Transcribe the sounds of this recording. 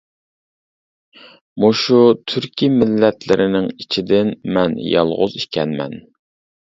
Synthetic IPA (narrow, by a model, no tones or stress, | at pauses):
muʃut̪ʰyɾkʲimɪlːɛt̪lɪɾɪnɪŋit͡ʃʰid̪ɪnmɛnjɑ̰lˠʁʊziʃkʲɛnmɛ̰n